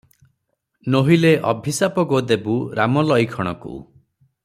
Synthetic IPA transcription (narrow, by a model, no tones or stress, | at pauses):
noɦileʔɔ̰bʱisapɔɡod̪ebuɾamɔlɔjkʰɔɽ̃ɔ̰kṵ